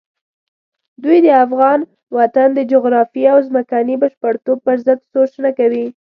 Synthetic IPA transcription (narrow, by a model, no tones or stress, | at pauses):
d̪ujd̪əafɣɑn | wat̪and̪əd͡ʒʊɣɾɑfiawzməkanibəʃpəɽt̪ob̚pəɾzəd̪soʃnakawi